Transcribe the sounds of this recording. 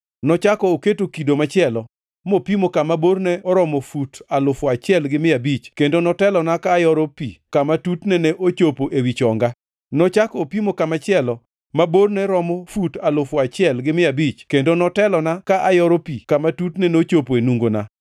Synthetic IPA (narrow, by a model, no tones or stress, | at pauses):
nɔt͡ʃakɔːketokidomat͡ʃɪɛlɔ | mopimokamabornɛɔɾɔmɔfutalʊfɔat͡ʃɪɛlɡɪmɪabit͡ʃkendonɔtɛlɔnakaːjɔɾɔpikamatutnɛnɛʔot͡ʃopoʔewit͡ʃɔŋɡa | nɔt͡ʃakɔːpimokamat͡ʃɪɛlɔ | mabornɛɾɔmɔfutalʊfɔat͡ʃɪɛlɡɪmɪabit͡ʃkendonɔtɛlɔnakaʔajɔɾɔpikamatutnɛnot͡ʃopoenuŋɡona̰